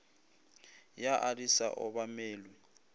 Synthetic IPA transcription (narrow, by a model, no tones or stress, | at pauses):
jaʔadisa̰ʔɔβameːlɔ